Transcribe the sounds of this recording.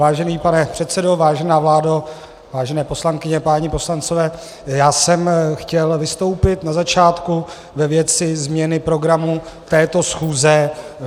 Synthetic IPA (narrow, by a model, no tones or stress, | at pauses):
vaːʒɛniːpanɛpr̝̥ɛt̪sɛdo̞vaːʒɛnaːvlaːdo | vaːʒɛnɛːpo̞slaŋkɪɲɛpaːɲɪpo̞slant͡sovɛː | jaːsɛmxcɛlvɪst̪o̞wpɪt̪nazat͡ʃaːt̪ku | vɛvjɛt͡sɪzmɲɛnɪpɾo̞ɡɾamut̪ɛːt̪o̞sxuːzɛ